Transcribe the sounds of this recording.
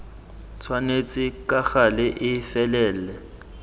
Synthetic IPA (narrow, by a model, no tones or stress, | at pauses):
t͡sʰwanet͡sʼɪkaxalɪʔɪfɛlɛːlɛ